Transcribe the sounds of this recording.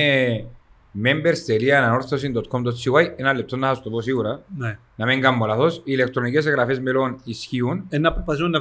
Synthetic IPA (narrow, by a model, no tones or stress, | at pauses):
e | membeɾst̪eliɐnɐno̞ɾθosind̪ot̪̚kʰomd̪ot̪t͡sːiwajenɐlːep̚t̪o̞nːɐθast̪oposiɣuɾɐn | nɐmeŋɡɐmːolaθo̞sile̞k̚t̪ɾonike̞s̬eɣɾɐfezmelo̞nisçiunenɐpɾopɐθizmonːɐ